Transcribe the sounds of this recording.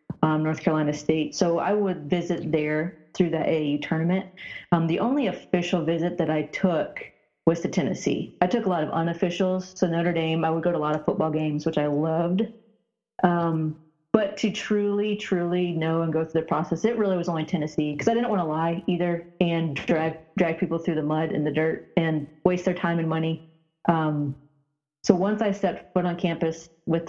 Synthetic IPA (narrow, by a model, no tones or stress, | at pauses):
ʌ̃mnɔɹθkʰə˞əlãɪnɨsteɪtsoʊa̰ɪwəd̚vɪzɨt̪̚ðə˞θɹʉðɨʔeɪjʉtʰɜ̃˞nɨmɨ̃nt̚ʌ̃mðiʔõʊ̃nliɨfɪʃl̩ˠvɪzɨt̪̚ðɨɾaɪtʰʊk | wʌz̥tʰɨtʰɛnɨ̰sḭaɪtʊkəlɔɾʌvʌ̰̃nɨfɪʃl̩ˠz̥soʊɨ̃nðiʌ̃ɾə˞dẽɪ̃maɪwəd̚ɡoʊɾəlɑɾʌv̥fʊt̚b̥ɔlˠɡẽɪ̃mzwɨt͡ʃaɪlʌvd | ʔʌ̃m | b̥ʌtʰɨtʰɹ̥ʉlˠitʰɹ̥ʉlˠinoʊə̃nɡoʊθɹʉðə˞pʰɹ̥ɔsɛsɨt̚ɹɪlˠiwʌzõʊ̃nɨtʰɛnɨsikʰʌzaɪɾɪdⁿn̩ʔwɑ̃ñəlaɪiðə˞ɨ̃ndɹæɡ̚dɹæɡ̚pʰipl̩ˠθɹʉðəmʌɾɨ̰̃nðɨdɜ˞t̚ɨ̃nweɪst̚ðə˞tʰãɪ̃mɨ̃nmʌni | ʔʌ̃m | soʊwʌ̃nsaɪstɛp̚tfʊɾn̩kʰæ̃mpɨs | wɨð